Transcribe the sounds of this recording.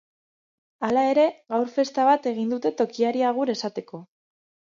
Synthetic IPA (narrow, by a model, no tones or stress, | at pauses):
alae̞ɾe̞ɣawɾfe̞st̪aβat̪e̞ɣ̞ind̪ut̪e̞t̪o̞kiaɾiaɣ̞uɾe̞sat̪e̞ko̞